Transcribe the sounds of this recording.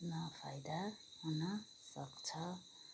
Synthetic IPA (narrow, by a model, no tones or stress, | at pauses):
nʌpʰajd̪aunʌ | sʌkt͡sʰʌ